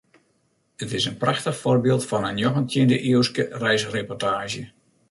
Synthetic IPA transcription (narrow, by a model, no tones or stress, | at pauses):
ətɪsənpraxtəxforbɪːlˠtfɔnənjoxəntʰjɪndəʔiəwskərɛjsrepɔrtaːʒjə